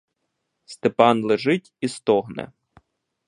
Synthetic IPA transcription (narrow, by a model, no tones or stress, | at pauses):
st̪epɑnlˠeʒɪtʲist̪ɔɦnɛ̰